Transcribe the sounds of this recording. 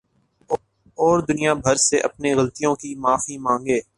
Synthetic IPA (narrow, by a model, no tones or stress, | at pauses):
ɔːɾd̪ʊnijabʱɐɾseʔɐpneɣɐlt̪ijõkimaːfimãːŋɡeː